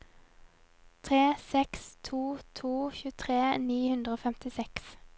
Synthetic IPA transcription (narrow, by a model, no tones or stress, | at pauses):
t̪ʰʁeːsɛkst̪ʰuːt̪ʰuːçʉːət̪ʰʁeːniːhʉnd̪ʁəoːfɛmt̪ɪsɛks